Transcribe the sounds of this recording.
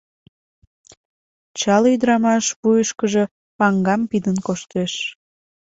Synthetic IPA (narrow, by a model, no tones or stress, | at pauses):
t͡ɕɑlyd̪əɾɑmɑʃpujəʃkəʒə̽ | pɑŋɡɑmpid̪ənkoʃt̪eʃ